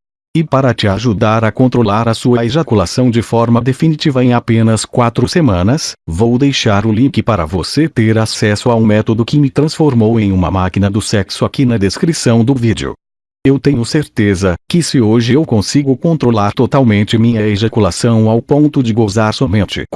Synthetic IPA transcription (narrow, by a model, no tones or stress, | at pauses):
ɪpaɾɐt͡ʃɪaʒud̪aɾɐkõnt̪ɾolaɾɐsuɐeʒakulasɐ̃w̃d͡ʒɪfɔɾmɐd̪efinit͡ʃivɐẽj̃apẽnɐskwat̪ɾʊsemɐ̃nɐsvowd̪ejʃaɾʊlĩkɪpaɾɐ̰voset̪eɾasɛsʊaũmɛt̪od̪ʊkɪmɪt̪ɾɐ̃sfoɾmowẽj̃ũmɐ̰makinɐd̪ʊsɛksʊakinɐd̪eskɾisɐ̃w̃d̪ʊvid͡ʒɪ̰ʊ̰ | ewt̪ẽɲʊseɾt̪ezɐkɪsɪoʒɪewkõsiɡʊkõnt̪ɾolaɾt̪ot̪awmẽnt͡ʃɪmĩɲɐeʒakulasɐ̃w̃awpõnt̪ʊd͡ʒɪɡozaɾsɔmẽnt͡ʃɪ̰